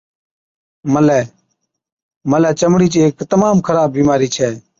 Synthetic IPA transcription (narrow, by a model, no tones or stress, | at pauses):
məlɛː | məlɛːt͡ʃəmɽiːt͡ʃːeːkt̪əmaːmkʰəɾaːbːiːmaːɾiːt͡ʃʰɛː